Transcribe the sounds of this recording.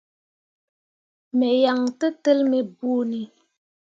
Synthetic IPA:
mɛ˨ja˨ŋtə˦tə˦lme˨bu˦ni˨

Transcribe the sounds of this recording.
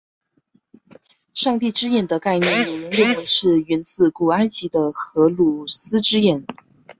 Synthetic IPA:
ʂɑ˥˧ŋt̪i˥˩ʈ͡ʂɻ̩˥jɛ˨˩nd̪ə˦ka˥˩ɪnjɛ˧˥ni˧˥n˧˥ljo˥˧˥ŋwə˧˥nʂɻ̩˥˩ɥɛ˧˥nt͡sɹ̩˥˩ku˨˩a˥ɪt͡ɕi˧˥d̪ə˧xɤ˧˥lu˨˩sɹ̩˥ʈ͡ʂɻ̩˥jɛ˨˩n

